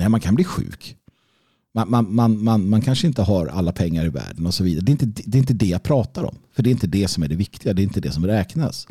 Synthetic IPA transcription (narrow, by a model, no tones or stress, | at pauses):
nɛɪmankʰanbliːɧʉ̟̰ːk | manmanmanmanmankʰanʂəɪnt̪əɦaɾa̰lːapʰɛŋːaɾɪvæ̰ːɖənɔsɔviːd̪aɾəɖ̪ɛɪnt̪əd̪ɛd̪ɛɪnt̪əd̪ɛjapʰɾɑːt̪aɾɔ̰mfœɖɛɾɪnt̪əd̪ɛsɔmæɖɛvɪkt̪ɪɡad̪ɛɾɪnt̪əd̪ɛsɔmɾɛːkna̰s